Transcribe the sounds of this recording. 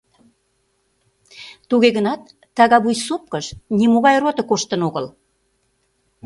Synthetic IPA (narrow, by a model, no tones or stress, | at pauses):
t̪uɣeɣənɑt̪̚ː | ɑɣɑβujsup̚kəʃnʲimoɣɑjrot̪ə̆koʃt̪ənoɣəl